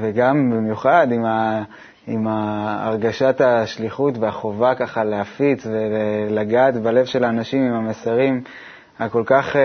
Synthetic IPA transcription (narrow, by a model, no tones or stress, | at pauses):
veɡambimjuχad̪ima | ima̰ːʁɡaʃat̪aʃliχutveaχo̞vakaχalehafit͡sve̞lelaɡaːt̪bale̞vʃe̞laːnaʃimimamesaʁim | ako̞lkaχ